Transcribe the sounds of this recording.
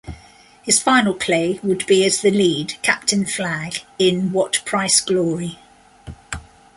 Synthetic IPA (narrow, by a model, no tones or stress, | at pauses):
hɪz̥fãɪ̃nəlˠpʰl̥eɪwədbiəzðəliːd̥kʰa̰p̚tʰɪ̃nflaɡ̥ɪ̃nwɒʔpʰɹ̥aɪsɡ̥lɔːɹi